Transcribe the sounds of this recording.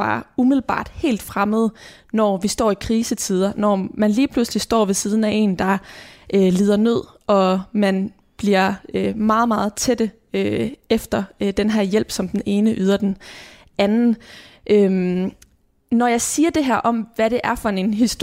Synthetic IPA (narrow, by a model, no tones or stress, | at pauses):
ɑ̰umiðˠl̩b̥ɑ̰̈ːd̥he̝̰ːld̥fʁaməð̞̩ˠ | nɒʋisd̥ɒ̰ːikʰʁiːsət͡sʰið̞ˠɐnɒmænliːpʰluslisd̥ɒ̰ːʋe̝siːð̞ˠn̩æʔe̝̰ːnd̥ɑ̈ʔøliːð̞̰ˠɐnø̝ð̰ˠ | ɒ̽mæn | b̥liɐ̰ømɑ̈ːð̞̩ˠmɑ̈ːð̞̩ˠt͡sʰed̥ə | øefd̥ɐd̥enɦæɐ̰jel̰b̥sɒ̽md̥ene̝ːnəʔyːð̞ˠɐd̥en | ænn̩ʔøm | nɒjɑ̈ɪsiːɐd̥e̝ɦæɐ̰ʔɒ̽mʋæɾ̥e̝ʔæɐfɒ̽e̝nɦisd̥o